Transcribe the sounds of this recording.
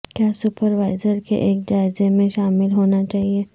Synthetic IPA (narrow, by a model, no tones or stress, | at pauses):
kjaːsʊpəɾʋaːɪzəɾkḛʔeːk̚d͡ʒaːɪzemẽʃaːmɪlɦoːnat͡ʃaːɦieː